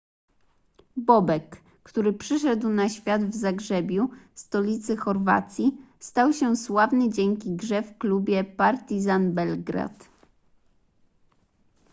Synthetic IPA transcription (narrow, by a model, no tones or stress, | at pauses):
bɔbɛkː | t̪uɾɘpʂɘʂɛd̪wnaɕfʲjad̪vzaɡʐɛbʲjust̪ɔlʲit̪sɘxɔɾva̰t̪sʲji | st̪awɕɛswavnɘd͡ʑɛŋkʲiɡʐɛfklubʲjɛpaɾt̪izanbɛlɡɾa̰t̪